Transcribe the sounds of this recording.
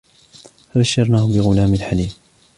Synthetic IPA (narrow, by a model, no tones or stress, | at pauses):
fabaʃːɑɾˤnaːhʊbɪɣʊlaːmɪlħaliːm